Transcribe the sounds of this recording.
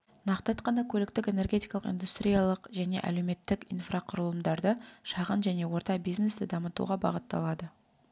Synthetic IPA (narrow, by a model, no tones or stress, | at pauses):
nɑqt̪ɑt̪qɑnɑkʲʰɵlɪkt̪ɪke̞ne̞rɡʲet̪ijkɑlˠəqḭjnd̪ust̪ɾʲijɑlˠəqʒæne̞̰ʔæ̰le̞wme̞t̪ːɪkijnfrɑqʰʊɾəlˠəmd̪ɑɾd̪əʃɑʁənʒæne̞wo̞ɾt̪ɑbijzne̞st̪ɪd̪ɑmət̪ṵʁɑbɑ̰ʁət̪ːɑ̰lˠɑd̪ə